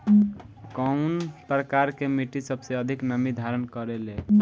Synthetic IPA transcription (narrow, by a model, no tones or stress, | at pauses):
kənpɾəkaɾkemiʈisəbseəd̪ʱiknəmid̪ʱaɾənkəɾele